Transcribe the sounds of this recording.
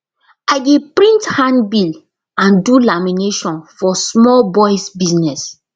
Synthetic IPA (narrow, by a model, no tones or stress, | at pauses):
aɪɡepɹĩnthãnbil | ãndulamineʃɔ̃nfɔsmɔlbɔjsbiznɛs